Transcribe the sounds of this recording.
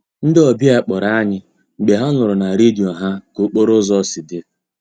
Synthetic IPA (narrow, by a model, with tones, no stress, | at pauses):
n̩˦dɪ˦ɔ˨bja˦˨k͡pɔ˨ɾa˨a˦ɲɪ˦ | ŋ͡m̩˨ɡ͡be˨ɦa˦nʊ˨ɾʊ˨na˨ɾe˦di˨o˨ɦa˦ko˨˦k͡po˦ɾʊ˦zɔ˦˨sɪ˨dɪ˦